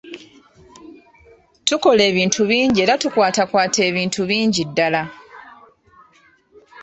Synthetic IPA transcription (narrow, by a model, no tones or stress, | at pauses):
tuko̞le̞ːβiːntʰuβiːɲɟie̞ːɾatukwaːtakwaːtʰe̞ːβiːntuβiːɲɟidːala